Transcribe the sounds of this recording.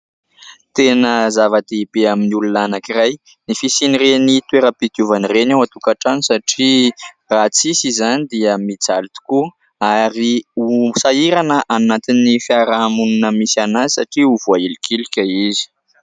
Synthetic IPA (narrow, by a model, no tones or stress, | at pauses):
t̪enəzavad̪eibeaminiulunanakiɾaj | nifisinirenit̪weɾəpit̪uvanirenawat̪ukaʈ͡ʂanisaʈ͡ʂi | rat͡sisizanid̪iəmit͡salit̪u̥ku | aɾiusaiɾanəʔanat̪inifaɾamununəmisanazi̥saʈ͡ʂiuvuailikʰilikʲəizi̥